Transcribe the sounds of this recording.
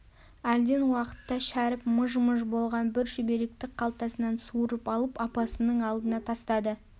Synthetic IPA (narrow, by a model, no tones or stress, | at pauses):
æld̪e̞nwɑqə̥t̪ːɑʃæɾɪpməʒməʒbo̞lˠʁɑnbɪɾʒʏbe̞ɾe̞k̚t̪ɪk̚qʰɑlˠt̪ɑsənɑnsuɾəpɑlˠəpɑpɑsənəɴɑlˠd̪ənɑt̪ʰɑst̪ɑd̪ə